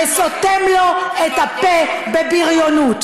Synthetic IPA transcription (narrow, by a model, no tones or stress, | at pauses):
esot̪ɛmloɛt̪apebebiʁjonut̪